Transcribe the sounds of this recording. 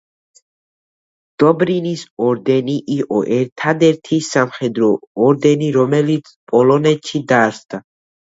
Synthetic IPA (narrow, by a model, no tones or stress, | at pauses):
d̪̥ɔbɾinisɔɾd̪ɛniʔiqʼɔʔɛɾt̪ʰad̪ɛɾt̪ʰisamχɛd̪ɾɔːɾd̪ɛniɾɔmɛlit̪sʰpʼɔlɔnɛt̪ʃid̪asd̪a